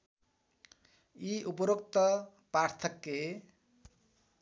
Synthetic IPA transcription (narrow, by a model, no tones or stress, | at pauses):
iupʌɾok̚t̪ʌ | part̪ʰʌkːe